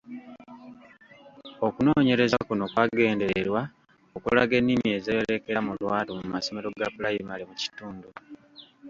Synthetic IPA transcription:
o̞kuno̞ːɲe̞ɾe̞zakuno̞kwaɡe̞ːndeɾeɾwa | okulaɡe̞nːimie̞ːzejele̞ke̞ɾamulwaːtomuumaso̞me̞ɾo̞ɡapulajimalemuci̥tuːndu

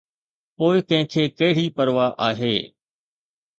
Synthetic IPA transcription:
poːɪkɐ̃ɦɪ̃kʰeːkɐɦɪɽ̤ipɐɾʋaʔaːɦeː

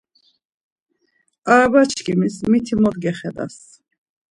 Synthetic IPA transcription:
aɾabat͡ʃʰkimismit̪ʰimɔd̪ɡɛχɛd̪a̰s

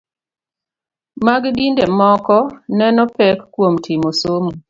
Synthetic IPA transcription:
maɡɡindemɔkɔnɛnɔpɛkːwomtʰimosomu

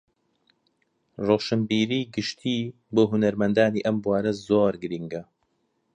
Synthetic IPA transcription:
roːʃɨmbiːɾiːɡɨʃt̪ʰiː | boːɦunɐɾmɐnd̪aːniːʔɐmbwaːɾɐzoːɾɡɨɾiŋɡɐ

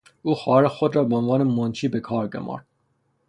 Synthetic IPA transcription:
ʔuːxɒːhæɾexod̪ɾɒːbeonvɒːnemont͡ʃʰiːbekʰɒːɾɡo̰mɒ̰ːɾd̪̥̚

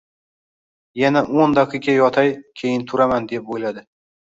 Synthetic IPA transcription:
janaʔond̪ɒqʰɨɡʲajɒt̪ʰajkʲʰe̞jɪnt̪ʰʊɾamand̪e̞p̚ojlad̪ɪ

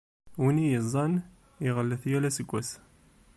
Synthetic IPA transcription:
winijəzˤːɑn | iʁəlːəθjælæsəɡʷːæs

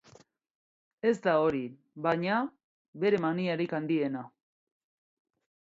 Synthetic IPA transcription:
e̞zd̪ao̞ɾi | βaɲa | βe̞ɾe̞maniaɾikand̪ie̞na

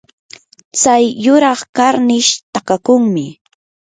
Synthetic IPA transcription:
t͡sajːʊɾɑχkaɾnɪʃt̪akakʊŋmɪ

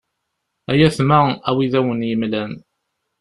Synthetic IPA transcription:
æjæθmaæwiðæwənjəmlæn

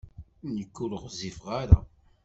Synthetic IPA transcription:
nəkːuləʁzifʁaɾa̰

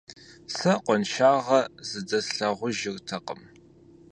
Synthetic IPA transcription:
sɐqʷɔnʃaːʁɐzɨdɐsɬɐʁʷʊʒɪrtʰɐqəm

